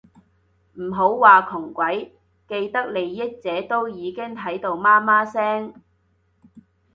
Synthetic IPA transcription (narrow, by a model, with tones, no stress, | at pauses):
m̩˨˩ɦo˨˥wwaː˨kʰʊ˨˩ŋkʷɐ˨˥j | ke˧jt̪ɐ˥k̚le˨jːɪ˥k̚t͡sɛː˨˥t̪o˥wjiː˨˧kɪ˥ŋt̪ʰɐ˨˥jt̪o˧wmaː˥maː˥sɛː˥ŋ